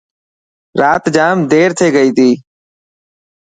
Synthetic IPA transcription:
ɾaːt̪d͡ʒaːmd̪eːɾt̪ʰeːɡəiːt̪ʰiː

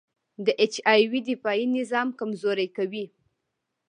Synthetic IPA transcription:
d̪əʔet͡ʃɑjwid̪ɪfɑjinɪzɑmkamzoɾajkawi

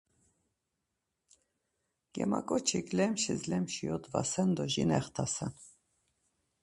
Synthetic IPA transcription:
ɡ̥ɛ̰makʼɔt͡ʃʰiklɛmʃizlɛmʃijɔt̪vasɛnd̪ɔʒinɛχt̪ʰasɛn

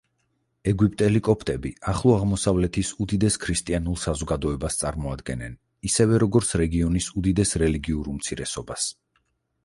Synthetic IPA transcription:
ɛɡwipʼt̪ʼɛlikʼɔpʰʼt̪ʼɛbiaχlˠɔaʁmɔsavlɛt̪ʰisud̪id̪ɛskʰɾist̪ʼianulˠsazɔɡad̪ɔɛbast̪sʼaɾmɔad̪ɡɛnɛn | isɛvɛɾɔɡɔɾt̪sʰɾɛɡiɔnisud̪id̪ɛsɾɛliɡiuɾumt̪sʰiɾɛsɔbas

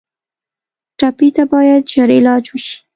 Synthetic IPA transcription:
ʈɑpit̪abɑjad̪ʒaɾɪlɑd͡ʒwəʃi̥

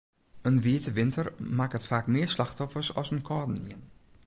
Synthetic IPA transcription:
ənviːtəʋɪntərmaːkətfaːkmɪːɹslɑxtɔfəsɑ̰sənkʰɔːdn̩iən

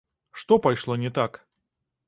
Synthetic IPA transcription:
ʂt̪opɐjʂlˠonʲɪt̪ak

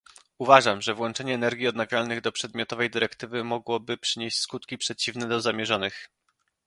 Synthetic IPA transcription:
uvaʐamʐɛvwɔnt͡ʂɛɲɛːnɛɾɡʲjiɔd̪naɡʲɾalnɘɣd̪ɔpʂɛd̪mʲjɔt̪ɔvɛjd̪ɘɾɛkt̪ɘvɘmɔɡwɔbɘpʂɘɲeɕt͡ɕskut̪kʲipʂɛt͡ɕivnɛd̪ɔzamʲjɛʐɔnɘx

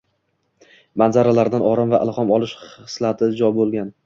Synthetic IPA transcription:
manzaɾalaɾd̪anɒɾamvaʔɪ̰lˠχɒmɒlˠɪʃχɨslˠat̪ʰɪd͡ʒɒjbolˠɡʲan

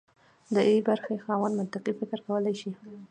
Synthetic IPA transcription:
d̪əebaɾxexɑwand̪mʊnt̪aqifɪkɾkawəlajʃi

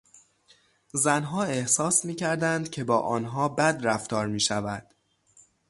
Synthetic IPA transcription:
zænɦɒːe̞hsɒːsmiːcʰæɾd̪ænd̪̥cʰe̞bɒːʔɒːnɦɒːbæd̪ɾæft̪ɒːɾmiːʃævæd̪̥

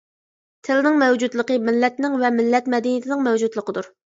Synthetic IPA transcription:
t̪ʰɪlɪnɪŋmɛwd͡ʒud̪lˠəqəmɪlːɛt̪nɪŋvɛmɪlːɛt̪mɛd̪inijit̪ʰɪnɪŋmɛwd͡ʒud̪lˠəqəd̪uɾ

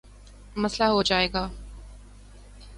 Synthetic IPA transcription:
mɐslaɦod͡ʒaːeːɡaː

